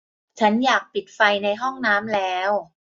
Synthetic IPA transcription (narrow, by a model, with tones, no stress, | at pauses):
t͡ɕʰa˦˥njaː˨˩k̚pi˨˩t̪̚fa˧jna˧jɦɔ˥˩ŋnaː˦˥mlɛː˦˥w